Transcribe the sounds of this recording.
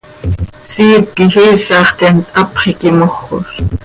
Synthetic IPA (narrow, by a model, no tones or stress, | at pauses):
siːp̚kixiːsɑːχt̪ɛnt̪ʼɑpχikɪmoχːo̰s